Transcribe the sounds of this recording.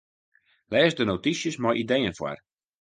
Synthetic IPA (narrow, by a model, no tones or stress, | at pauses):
lɛːsdənotisjəsmɔjʔidejənfwa̰r